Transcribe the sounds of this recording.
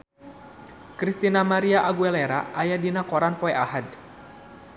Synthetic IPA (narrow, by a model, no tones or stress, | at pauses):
kɾist̪inamaɾiaʔaɡuɛlɛɾa̰ʔajadinakɔɾanpɔɛʔahad